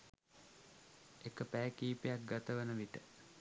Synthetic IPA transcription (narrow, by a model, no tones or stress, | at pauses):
ekəpæːkiːpejak̚ɡat̪əʋənəʋiʈə